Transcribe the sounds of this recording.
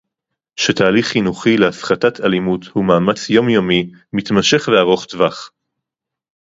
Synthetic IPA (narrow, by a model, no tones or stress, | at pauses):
ʃetaːliχːinuχileafχatatʰalimuthumaːmat͡sjo̞mjomi | mit̪maʃe̞χveaʁo̞χtvaχ